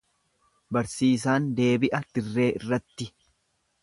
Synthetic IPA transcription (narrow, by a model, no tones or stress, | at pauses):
bɐɾsiːs̬aːnd̪e̞ːbɪʔɐd̪̥ɪrːe̞ːʔɪrːɐt̪ːɪ